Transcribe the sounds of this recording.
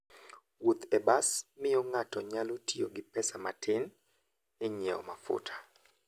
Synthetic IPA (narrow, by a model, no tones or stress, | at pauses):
wot̪ɛbasmɪjoŋatɔɲalotioɡɪpɛsamatɪn | ɪɲɛɔ̰mafʊ̰tʰḁ